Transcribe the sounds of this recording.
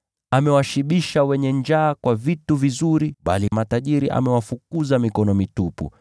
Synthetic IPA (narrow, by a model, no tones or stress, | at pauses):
amɛwaʃiɓiʃawɛɲɛɲd͡ʒaːkwavituvizuɾiɓa̰limataʄiɾiʔa̰mɛwafukuzamikɔnɔmitupṵ